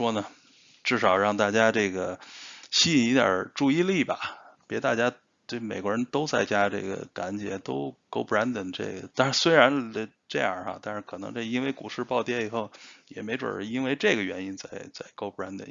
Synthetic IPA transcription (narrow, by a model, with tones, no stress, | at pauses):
ʂwɔ˥nə˨ | ʈ͡ʂɻ̩˥˩ʂɑ˨˩ʊɻɑ˥˧ŋt̪a˥˩t͡ɕja˥ʈ͡ʂɤ˥˩ɡə˩ɕi˥˧˩i˧˥t̪jə̰˞˨˩˦ʈ͡ʂu˥˧i˥˧li˥˩bɐ̰˩pjɛ˧˥t̪a˥˧˩t͡ɕja˥ | t̪we˥˩ɪme˨˩ɪkwɔ˧˥ɻə˧˥nt̪o˥ʊt͡sa˥˩ɪt͡ɕja˥ʈ͡ʂɤ̰˥˩ɡə̰˩ka˧˥nt͡ɕjɛ˧˥t̪o˥ʊko˥ʊpɹa˧˥nd̪ə˨˩nʈ͡ʂḛ˥˩ɡə̰˩t̪a˥˧nʂɻ̩˥˩swe˥ɪɻa˧˥n˧ | ʈ͡ʂe˥˧jɑ̰˥˨˩xa̰˧t̪a˥˧nʂɻ̩˥˩kʰɤ˨˩nɤ̰˧˥ŋʈ͡ʂɤ˥˩i˥nwe˥˧ɪku˨˩ʂɻ̩˥˧pɑ˥˧ʊt̪jɛ˥˩i˨˩xo˥˩ʊjɛ̰˨˩me˧˥ɪʈ͡ʂwə̰˞˨˩˧i˥nwe˥˧ɪʈ͡ʂɤ˥˩ɡə˩ɥɛ˧˥ni˥nt͡sa˥˧ɪt͡sa˥˩ɪko˥ʊpɹa˥nd̪ə̰˨˩˦